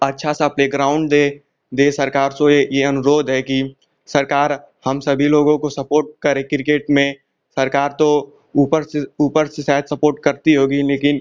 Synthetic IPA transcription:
ɐtːʃʰasapleːɡɾaːʊ̃ɳɖd̪e | d̪eːsɐɾkaːɾsojejeɐnʊɾoːd̪ʱɦɛki | sɐɾkaːɾ | hɐmsɐbʱiloːɡõkosɐpoːɾʈ̚kɐɾẽkɪɾɪkeːʈmẽ | sɐɾkaːɾt̪o | uːpəɾuːpəɾsesɛːt̪sɐpoːɾʈ̚kɐɾt̪iɦoːɡileːkɪn

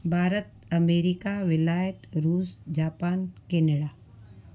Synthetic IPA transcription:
bʱaːɾət̪ɐmeːɾikaʋɪlaːjət̪ɾuːsd͡ʑaːpaːnkeːneɽaː

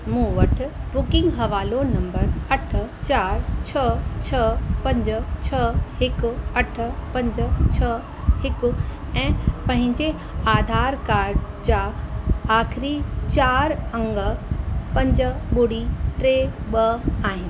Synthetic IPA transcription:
mũːʋɐʈʰʊ̆bʊkɪ̃ŋɡɦɐʋaːlonɐ̃mbəɾɐʈʰʊ̆t͡ɕaːɾt͡ɕʰɐt͡ɕʰɐpɐ̃ɲd͡ʑt͡ɕʰɐhɪkʊɐʈ̆ʰpɐ̃ɲd͡ʑt͡ɕʰɐ | hɪkʊ | ɛ̃ːpɐ̃ɦɪ̃ɲd͡ʑe | aːd̪ʱaːɾkaːɾɖ | d͡ʑaːaːxɪɾit͡ɕaːɾɐ̃ŋɡə̆pɐ̃ɲd͡ʑəɓʊɽiʈɾeːɓɐaːɦɪnɪɪ̆

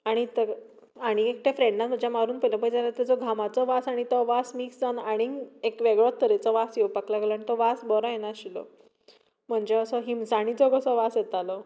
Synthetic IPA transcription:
aɽ̃it̪ə | aɽ̃iek̚ʈafɾeɳɖnat̪m̤əd͡ʑjamaɾuːnpəjlãpəjd͡zalat̪at͡sɔɡʱamat͡sɔʋasaɽ̃it̪ɔʋasmiksd͡zanaɽ̃iekʋeɡɭɔt̪ːəɾet͡sɔʋasjepaklaɡelaɽ̃it̪ɔʋasbɔɾɔ̃jenaɕilɔ̰ | m̤əɳd͡ʑeəsɔɦimsaɽ̃it͡sɔɡəsɔʋasjɛt̪alɔ

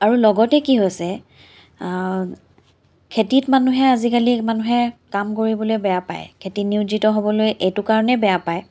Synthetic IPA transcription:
aɹulɔɡɔtɛkiɦojsɛ | kʰetitmanuɦɛazikalimanuɦɛkamkoɹibɔlojbɛjapa̰jkʰetiniuzitɔɦobɔlojʔejtʊkaɹɔnɛbɛjapaj

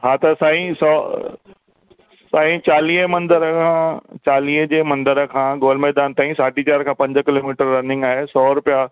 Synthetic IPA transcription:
ɦaːt̪ɐsaːĩsɔː | saːĩt͡ɕaːliːɦmɐ̃nd̪əɾkʰãːt͡ɕaːliːɦd͡ʑeːmɐ̃nd̪əɾəkʰãːɡoːlmɛɦd̪aːnt̪aːĩsaːɖit͡ɕaːɾkʰãːpɐ̃ɲd͡ʑkɪloːmiːʈəɾːɐnɪ̃ŋɡaːɦesɔːɾʊpija

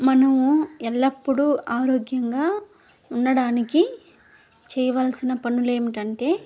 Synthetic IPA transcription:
mɐnɐmuɛlːɐpːuɽuaːɾoːɡjɐŋɡaː | unːɐɽaːniki | t͡ʃɛːjɐʋaːlsinɐpɐnːule̞ːmiʈɐɳʈe̞ː

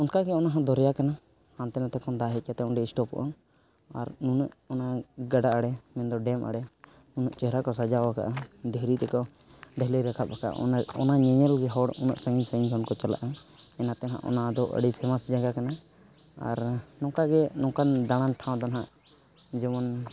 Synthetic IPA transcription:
ɔnkaɡɛɔnaɦãd̪ɔɾɛjakana | hãnt̪ɛnat̪ɛkɔnd̪aɦɛat̪ɛɔnɖɛisʈɔpɔ̰ʔɔ | a̰ɾnunəʔɔnaɡaɖaʔaɽɛmɛnd̪ɔɖɛmʔa̰ɽɛ | nunəʔt͡ʃɛɦɾakɔsad͡ʒawaka̰ʔad̪ɛɦɾit̪ɛkɔ | ɖɛɦləjɾakʰap̚aka̰ʔa̰ɔ̰ɔnaɲɛɲəlɡɛɦɔɽʔunə̰ʔsəɡiɲsəiɲɡɔnkɔt͡ʃala̰ʔaɛnat̪ɛnɦa̰ʔɔ̰nad̪ɔʔə̰ɽipʰɛmasd͡ʒaɡakana | a̰ɾnɔ̃kaɡɛnɔ̃kand̪aɽ̃anʈʰãw̃d̪ɔnɦaʔ | d͡ʒɛmɔn

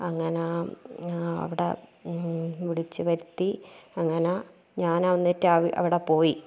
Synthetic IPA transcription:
ɐŋːɐne | ɐ̰ʋiɽḛ | ʋiɭit͡ɕːɨʋɐɾut̪ːiɐŋːɐne | ɲaːnɐʋɐnːitːɨaːʋiʔɐ̰ʋiɽepo̞ːji

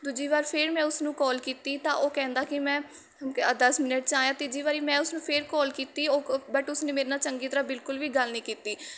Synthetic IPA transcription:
d̪ʊd͡ʒiːʋaːɾpʰɪɾmɛ̃ːʊsnũːkɔːlkiːt̪iːt̪ãːʔoːkɛ̃ːnd̪aːkɪmɛ̃ː | d̪əsmɪnəʈ̚t͡ʃãːjãːt̪ɪːd͡ʒiːʋaːɾiːmɛ̃ːʊsnũːpʰɪɾkɔːlkiːt̪iːoːbəʈʊsnẽːmeːɾnaːt͡ʃəŋɡiːt̪əɾãːbɪlkʊlʋiːɡəlnĩːkiːt̪iː

